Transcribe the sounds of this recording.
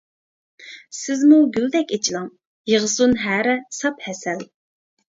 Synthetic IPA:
sɪzmuɡʲyld̪ɛkʲet͡ʃʰilˠɑŋ | jəʁəsunɦæːɾɛsɑp̪̚hɛsɛl

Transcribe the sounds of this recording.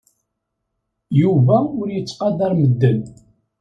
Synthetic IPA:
juvæʊɾjət͡sːqɑd̪ɑɾməd̪ːən

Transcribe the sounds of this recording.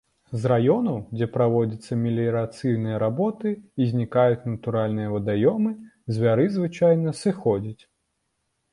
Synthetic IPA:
zrajɔnɐwd͡zʲɛpɾavɔd͡zʲɐt̪sːɐmʲilʲiɾat̪sɨjnɨjɐɾabɔt̪ɨizʲnʲikajut͡sʲnɐt̪uɾalʲnɨjɐvɐd̪ajɔmɨzʲvʲaɾɨzvɨt͡ʂajnɐsɨxɔd͡zʲit͡sʲ

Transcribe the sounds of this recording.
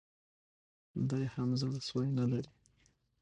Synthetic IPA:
d̪ajhamzalaswajnalaɾi

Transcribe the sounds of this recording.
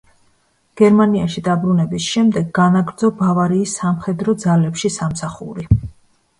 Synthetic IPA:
ɡ̥ɛɾmaniaʃid̪abɾunɛbisʃɛmd̪ɛɡːanaɡɾd̪zɔbavaɾiːsːamχɛd̪ɾɔd̪zalɛpʃisamsaχṵɾi

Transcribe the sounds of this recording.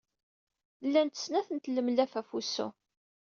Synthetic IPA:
lːænt̪ə̥snæθənt̪lːəmlæfæfusːṵ

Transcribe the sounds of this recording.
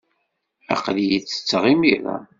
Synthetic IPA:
æ̰qlijit͡sːə̥t͡sːʁimiɾa̰

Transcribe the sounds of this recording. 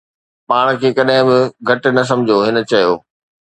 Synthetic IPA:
paːɽ̃kʰeːkɐɗɦɪ̃bɪɡʱɐʈ̆nɐs̬ɐ̃md͡ʑʱoɦɪnə̆t͡ɕɐjo̰ː

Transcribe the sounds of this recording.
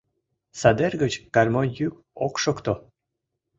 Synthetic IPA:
sɑd̪erɡət͡ɕkɑrʲmonʲjyk | okʃokt̪o

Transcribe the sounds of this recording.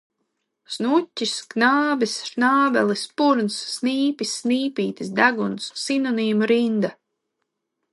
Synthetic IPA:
snutʲːisknaːbisʃnaːbɛlˠispuɾnsːniːpisːniːpʲiːt̪isd̪aɡunsːinɔniːmuɾind̪a

